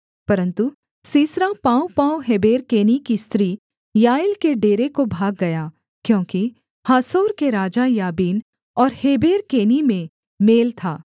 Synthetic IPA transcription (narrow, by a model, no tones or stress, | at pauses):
pɐɾə̃nt̪u | siːsɾapaːwpaːwɦeːbeːɾkeːnikist̪ɾiː | jaːjɪlkeɖeːɾekobʱaːɡːɐjaː | kjõːki | haːsoːɾkeɾaːd͡ʒajaːbiːn | ɔːɾheːbeːɾkeːnimẽ | meːlt̪ʰaː